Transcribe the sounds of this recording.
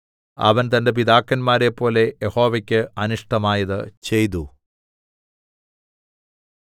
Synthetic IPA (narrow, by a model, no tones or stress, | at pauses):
ɐ̰ʋɐnt̪ɐnde̞p̬id̪aːkːɐnmaːɾe̞pːo̞ːle̞jeho̞ːʋɐkʲːɨɐnuʂʈɐmaːjɐðɨ̰t͡ɕe̞jt̪̬u